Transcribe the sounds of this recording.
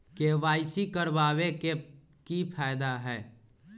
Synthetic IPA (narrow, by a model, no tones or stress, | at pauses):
keʋaːɪsikəɾbaːʋe | kipʰaːjd̪aɦɛː